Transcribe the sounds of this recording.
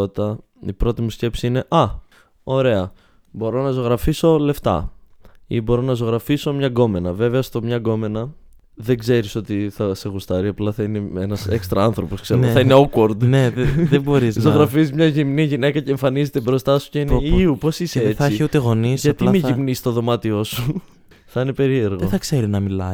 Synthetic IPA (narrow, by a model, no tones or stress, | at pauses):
ot̪it̪ɐ | ipɾo̞t̪imusce̞psiine̞ʔɐ | o̞ɾe̞ɐ | bo̞ɾo̞nɐzo̞ɣɾɐfiso̞le̞ft̪ɐ̰ | ibo̞ɾo̞nɐzo̞ɣɾɐfiso̞mɲɐɡo̞me̞nɐve̞veɐst̪omɲɐɡo̞me̞nɐ | ðeɡze̞ɾiso̞t̪iθɐse̞ɣust̪ɐɾiɐplɐθɐineenɐse̞kst̪ɾɐɐnθɾo̞po̞skse̞ɾeθɐine̞okoɾd̪neðeboɾizzoɣɾɐfizmɲɐʝimniʝine̞kɐce̞ːɱfɐnizet̪ebɾo̞st̪ɐsu̥ceiniupo̞siseθiiut̪eɣo̞nisʝɐt̪imiʝimnist̪o̞ðo̞mɐt̪io̞su | θɐine̞pe̞ɾie̞ɾɣoeθɐkse̞ɾinɐmilɐ̰